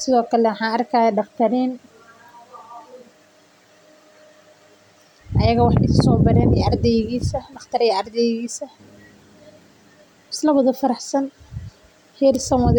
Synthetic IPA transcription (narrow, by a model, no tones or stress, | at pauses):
sɪðɔːkʰɐlɛwħɑːɐrkʰaːjɛɖɑqt̪ʰɐɾiːn | ʔɐjɐɣɐwɑħɪsɔːbɐɾɛːnɛ̰ɐrd̪ɛjɣiːsɐɖɑχt̪ʰɐɾɛjɐɐrd̪ɛjɣiːsɐ | ɪslɐwɐðɐfɐɾɑħsɐn | hɛːrsɐmwɑð